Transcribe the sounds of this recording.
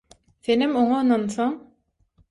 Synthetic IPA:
θenimoɴɑɯnɑnθoŋ

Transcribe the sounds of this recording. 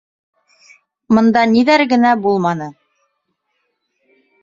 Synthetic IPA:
mɤ̆nd̪ɑniðæɾɡɘ̆næbulˠmɑnɤ

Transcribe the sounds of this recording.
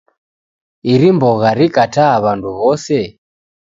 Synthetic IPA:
iɾimbɔɣaɾikataβanduβɔsɛ

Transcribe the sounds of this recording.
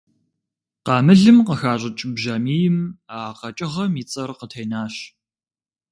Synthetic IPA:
qɑːmɨɮɨmqəxaːɕʼɪt͡ʃʼɪbʒɐmiːjɪmaːqɐt͡ʃʼɪʁɐmiːt͡sʼɐrqətʰeːjnaːɕ

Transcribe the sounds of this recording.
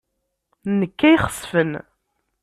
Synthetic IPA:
nəkːæjχə̥sˤːfən

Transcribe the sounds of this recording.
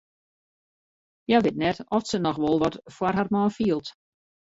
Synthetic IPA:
jaʋɪtnɛtɔfsənɔxʋɔlˠʋɔtfwarɦarmɔːfiəlˠt

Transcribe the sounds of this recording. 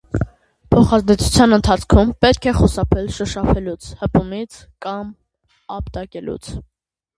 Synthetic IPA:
pʰɔχɑzd̪ɛt͡sʰu̥t͡sʰjɑnənt̪ʰɑt͡sʰkʰumpɛt̪̚kʰɛχusɑpʰɛlʃəʃɑfʰɛlut͡sʰhəpumit͡sʰ | kɑm | ɑpt̪ɑkɛlṵt͡sʰ

